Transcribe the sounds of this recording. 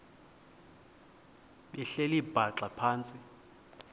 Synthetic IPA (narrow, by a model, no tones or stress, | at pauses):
ɓɛɬelib̥ʱaǁapʰaːnt͡sʼi